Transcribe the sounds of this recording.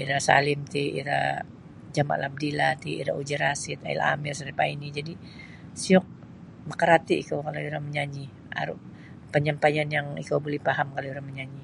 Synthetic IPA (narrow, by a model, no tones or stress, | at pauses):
iɾasa̰lɪmt̪iḭɾa̰ | d͡ʒama̰ʔlab̚dilat̪iḭɾa̰ud͡ʒiɾasɪt̪a̰ḭla̰mɪrsaɾipainid͡ʒadi | siɔk̚ | məkəɾat̪iʔikawkalauɾaŋməɲaɲi | a̰ɾʊ̰ | pəɲampajanjaŋḭkawbolɛhpaɦamkalauɾaŋməɲaɲi